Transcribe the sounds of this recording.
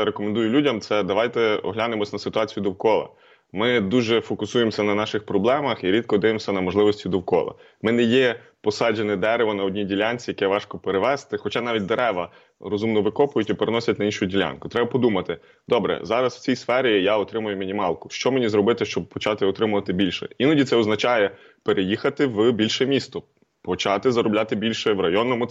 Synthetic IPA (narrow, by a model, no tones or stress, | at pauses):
ɾekɔmend̪ujʊlʲudʲɐmt̪sɛd̪ɐʋɑjt̪ɛɔ̰ɦlʲanemɔsʲnɐsɪt̪ʊɑat͡sʲijʊd̪ɔwkɔlˠɐ̰ | mɪd̪uʒɛfɔkʊsujemsʲɐnɐnɑʃɪxpɾɔblˠɛmɐxiɾʲid̪kɔd̪ɪʋemsʲɐnɐmɔʒlˠɪʋɔsʲtʲid̪ɔwkɔ̰lˠɐ̰ | mɪnɛjɛ | pɔsɑd͡ʒenɪd̪ɛɾeʋɐnɐɔdʲnʲidʲilʲanʲt͡sʲijɐkɛʋɑʃkɔpeɾeʋɛst̪ɪxɔt͡ʃɑnɑʋʲit̚ʲd̪eɾɛʋɐ | ɾɔzumnɔʋɪkɔpʊjʊtʲipeɾenɔsʲɐtʲnɐinʃʊjʊdʲilʲa̰nkʊt̪ɾɛbɐpɔd̪umɐt̪ɪ | d̪̥ɔbɾɛ̰zɑɾɐsw̥t͡sʲijsfɛɾʲijaɔt̪ɾɪmʊjʊmʲinʲimɑlˠkʊʃt͡ʃɔmenʲizɾɔbɪt̪ɪʃt͡ʃɔb̚pɔt͡ʃɑt̪ɪɔt̪ɾɪmʊʋɐt̪ɪbʲilʲʃɛ̰inɐdʲit̪sɛɔznɐt͡ʃɑjɛ | peɾʔejixɐt̪ɪwbʲilʲʃɛmʲist̪ɔ | pɔt͡ʃɑt̪ɪzɐɾɔblʲat̪ɪbʲilʲʃɛwrɐjɔnːɔmʊ